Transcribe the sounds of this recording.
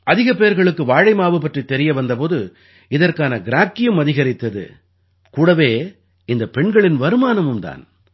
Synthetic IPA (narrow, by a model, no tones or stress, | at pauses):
ʔɐðɪɣɐpeːɾɣɐɭɯkːɯʋaːɻɐɪmaːʋɯp̬ɐʈrit̪ːɛɾɪjɐʋɐnd̪ɐpoːðɯ | ɪðɐrkaːnɐɡɪɾaːkːɪjɯmɐðɪɣɐɾɪt̪ːɐðɯ̰ | kuːɽɐʋeː | ɪnd̪ɐpɛɳɡɐɭɪnʋɐɾɯmaːnɐmɯmt̪a̰ːn